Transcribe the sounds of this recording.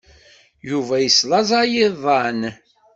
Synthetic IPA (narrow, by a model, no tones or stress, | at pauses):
juvæjəslɑzˤɑjiðˤɑn